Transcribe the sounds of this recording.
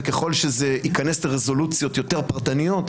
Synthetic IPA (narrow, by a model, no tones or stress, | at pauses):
keχo̞lʃezeikanesleʁezo̞lut͡sjo̞t̪jo̞te̞ʁpaʁt̪anijo̞t̪